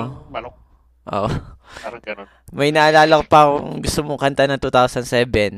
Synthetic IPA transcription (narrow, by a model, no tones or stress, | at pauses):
ʔo̰ʔ | mɐjnɐʔɐlaːlɐkopɐkoŋɡʊst̪omoŋkɐnt̪anɐŋt̪ut̪awsɐnsɛːbɛn